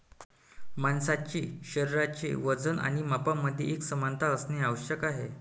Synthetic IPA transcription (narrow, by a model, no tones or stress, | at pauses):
mansat͡ɕiːɕəɾiɾat͡ɕḭːʋəd͡zənʔa̰ɽ̃imapaməd̪ʱjḛeksəmant̪ʰaəsneaʋəɕjəkaɦe